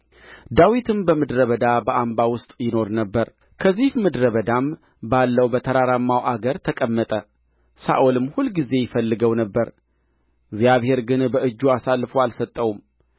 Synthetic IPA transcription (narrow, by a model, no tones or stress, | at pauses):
d̪awit̪ʰɨmbəmɨd̪ɾəβəd̪abəʔambawʊst̪ʼjɪno̞ɾnəbːəɾ | kʰəzːihmɨd̪ɾəβəd̪am | balːəwbət̪ʰəɾaɾamːawʔaɡəɾt̪ʰəkʼəmːət̪ʼə | sa̰ʔolɨmːhulɡize̞jɪfəlːɨɡəwnəbːəɾ | ɡzjaβhe̞ɾɡɨnbəʔɨd͡ʒːuasalːfəwalsət̪ʼːəwum